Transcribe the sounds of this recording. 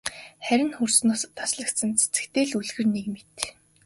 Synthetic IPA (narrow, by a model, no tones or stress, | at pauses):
χæɾʲɪ̆nxursnoːst̪ʰasɮə̆kt̪sə̆nt͡sʰe̥t͡sɘ̆kt̪eːɮuɮɣɘ̆rnekmet̪